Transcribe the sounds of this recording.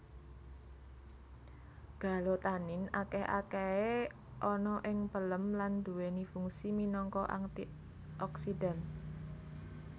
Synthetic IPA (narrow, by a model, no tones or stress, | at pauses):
ɡ̥a̤lot̪anɪnakɛhʔa̰kee | ʔɔnɔʔɪŋpələmland̪̥uwenifuŋsiminɔŋkɔʔa̰ŋt̪i | ɔksidan